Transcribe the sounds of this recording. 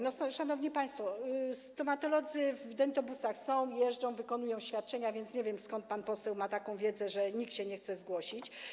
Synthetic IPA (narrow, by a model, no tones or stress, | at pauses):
nɔsɔʂanɔvɲipaj̃st̪fɔst̪ɔmat̪ɔlɔd̪zɘvd̪ɛnt̪ɔbusaxsɔ̃w̃jɛʐd͡ʐɔ̃w̃vɘkɔnujɔ̃w̃ɕfʲjat̪̚t͡ʂɛɲavʲjɛnt̪sɲɛvʲjɛmskɔnt̪̚panpɔsɛwmat̪akɔ̃w̃vʲjɛd̪zɛʐɛɲikt̪ɕɛɲɛxt̪sɛzɡwɔɕit͡ɕ